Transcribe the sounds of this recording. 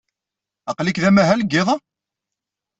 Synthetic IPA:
ɑqlikðæmæɦælɡːeðˤɑ

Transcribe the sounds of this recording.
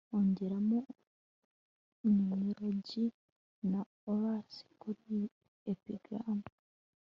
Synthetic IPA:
oɲɟeɾamu | nimiɾoɟi | na | oβasi̥kuɾi | epiɡɾaːmu

